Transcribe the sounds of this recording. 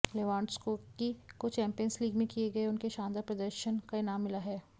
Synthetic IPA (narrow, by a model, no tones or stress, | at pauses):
leʋãːɳɖskoːkikot͡ʃɛ̃ːmpijənsliːɡmẽkieɡɐeʊnkeʃãːnd̪əpɾɐd̪əɾʃənkaenaːmːɪlaɦɛː